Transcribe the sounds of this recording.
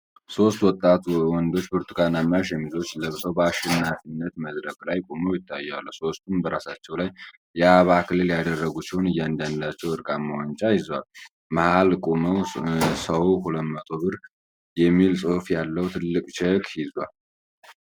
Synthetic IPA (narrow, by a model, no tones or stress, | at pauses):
so̞st̪wɔt̪ʼːat̪wɔnd̪o̞t͡ʃːbɨɾt̪ʰukanamaʃ̬jɛmizo̞t͡ʃːləβsəwbəaʃɪnːafinːət̪məd̪ɾəkʼlajkʼoməwjɪt̪ʰːajːalːəwso̞st̪ʰumbəɾasat͡ʃːɛwlajː | ɛaβakʰɨlɨljad̪ərːəɡusiho̞nɨjːand̪and̪lat͡ʃːɛwɨɾkʼamawant͡ʃʼajɪzwa̰l | mahalkʼoməwsəwkʰuləmːət̪ʼo̞βɨɾ | jɛmːilsʼohfjalːəwt̪ʰɨlːɨkʼt͡ʃɛkhɪzwa̰l